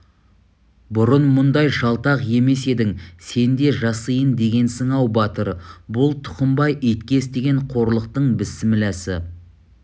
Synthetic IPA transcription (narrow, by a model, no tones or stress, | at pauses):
bʊɾənmʊnd̪ɑjʒɑlˠt̪ɑqje̞me̞se̞d̪ɪŋse̞nd̪e̞ʒɑsəjənd̪e̞ɡʲe̞nsəɴɑwbɑt̪əɾbʊlˠt̪ʰʊ̥qəmbɑjʔijt̪kʲe̞sd̪e̞ɡʲe̞ɴqʰo̞ɾlˠəq̚t̪əɴbɪsɪmɪlæsɪ̰